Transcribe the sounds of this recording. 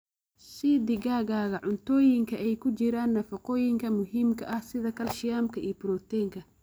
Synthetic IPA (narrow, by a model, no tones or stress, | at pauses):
sid̪ɪɣaːɣaːɣɐʕʊnt̪ʰɔːjɪŋkʰɐɛjkʰʊt͡ʃɪɾaːnːɐfɑqɔːjɪŋkʰɐmʊɦiːmkʰɐʔɐhsɪðɐkʰɐlʃɪjaːmkʰɐʔiːbɪɾɔːt̪ʰɛːŋkʰɐ